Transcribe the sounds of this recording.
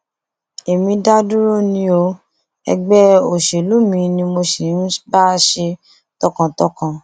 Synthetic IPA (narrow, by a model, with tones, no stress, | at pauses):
e˨mĩ˧da˦du˦ɾo˦nĩ˧o˧ | ɛ̰˧ɡ͡bɛ˦o˨ʃe˨lu˦mĩ˧nĩ˧mo˧ʃe˨˦n̩˦ba˦˨ʃe˧ | tɔ˧kã˨tɔ˧kã˨